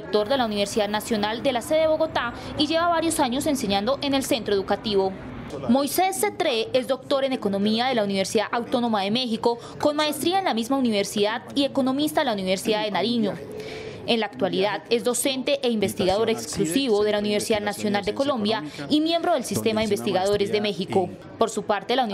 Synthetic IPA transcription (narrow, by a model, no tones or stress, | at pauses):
ek̚t̪o̞ɾd̪e̞launiβe̞ɾsiðaðnasjo̞nald̪e̞laseðeeβo̞ɣot̪a | iʝe̞βaβaɾjo̞saɲo̞se̞nse̞ɲãnd̪oʔe̞ne̞lse̞nt̪ɾoe̞ðukat̪iβo̞ | mo̞jse̞sːe̞t̪ɾeezd̪o̞k̚t̪o̞ɾe̞ne̞ko̞no̞miaðe̞launiβe̞ɾsiðaʔawt̪o̞no̞maðe̞me̞xiko̞ | ko̞nmae̞st̪ɾiaenlamizmauniβe̞ɾsiðaðie̞ko̞no̞mist̪aðelauniβe̞ɾsiðaðe̞naɾiɲo̞ | enlaːk̚t̪waliðaðe̞zd̪o̞se̞nt̪e̞ʔeimbe̞st̪iɣaðo̞ɾeksklusiβo̞ðe̞launiβeɾsiðaðnasjo̞nald̪e̞ko̞lõ̞mbjaimje̞mbɾo̞ð̞e̞lsist̪e̞maðeimbest̪iɣaðo̞ɾe̞zd̪e̞me̞xiko̞ | po̞ɾsupaɾt̪e̞lau